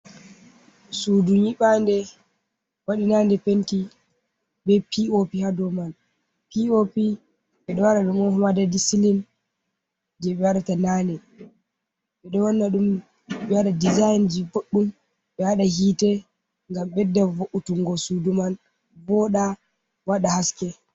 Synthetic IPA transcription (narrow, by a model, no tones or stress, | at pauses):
suduɲiɓandɛ | waɗinandɛpenti | bɛpiopihadɔman | piopi | ɓɛɗɔwaɗaɗumɔnhumadadisilin | d͡ʒɛɓɛwaɗatanandɛ | ɓɛɗɔwanːaɗum | ɓɛwaɗadizajnd͡ʒiboɗːum | ɓɛwaɗahitɛ | ŋɡamɓɛdːɛvoʔutuŋɡɔsuduman | bɔɗa | waɗahaskɛ